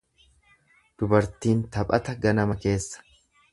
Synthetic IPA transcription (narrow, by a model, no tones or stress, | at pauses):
d̪̥ʊbɐɾt̪iːnt̪ɐpʼɐt̪ɐɡɐnɐmɐke̞ːsːɐ̥